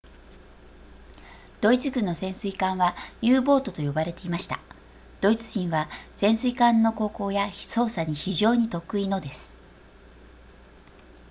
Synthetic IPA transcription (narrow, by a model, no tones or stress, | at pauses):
d̪̥o̞it͡sɨɡɯ̟̃nːo̞sẽ̞ɰ̃sɨikãɰ̃βajɯːbo̞ːt̪o̞t̪o̞jo̞baɾe̞t̪e̞imaɕi̥t̪a̰ | d̪̥o̞it͡sɨ̥ʑĩɰ̃βasẽ̞ɰ̃sɨikãnːo̞ko̞ːko̞ːjaso̞ːsaɲ̟içiʑo̞ːɲ̟it̪o̞kɯ̟ino̞d̪e̞sɨ̥